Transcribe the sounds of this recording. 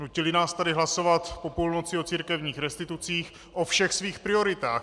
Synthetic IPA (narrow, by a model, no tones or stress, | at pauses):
nucɪlɪnaːst̪adɪɦlaso̞vat̪po̞puːlnot͡sɪo̞t͡siːɾkɛvɲiːxɾɛst̪ɪt̪ut͡siːx | ʔo̞fʃɛxsviːxpɾɪo̞ɾɪt̪aːx